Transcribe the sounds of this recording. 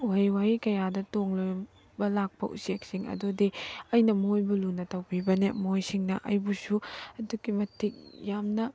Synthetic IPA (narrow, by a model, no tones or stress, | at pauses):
wajwaikɐjadɐtoŋlo | bɐlak̚pɐʔṵsek̚siŋɐ̰dodiɐjnɐmojbulunɐtɐwbʰibɐnemojsiŋnɐʔɐjbusuɐduɡimɐtʰːik̚jamnɐ